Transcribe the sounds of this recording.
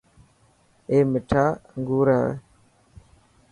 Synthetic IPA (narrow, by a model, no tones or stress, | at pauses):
eːmɪʈʰaːəŋɡuːɾaː